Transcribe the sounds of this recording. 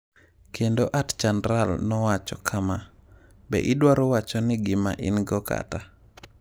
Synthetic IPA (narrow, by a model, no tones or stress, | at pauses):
kʰendoʔatt͡ʃandɾalnɔwat͡ʃɔkʰama | bɛ̰ʔɪdwaɾɔwat͡ʃɔnɪɡɪma̰ʔɪnɡɔka̰ta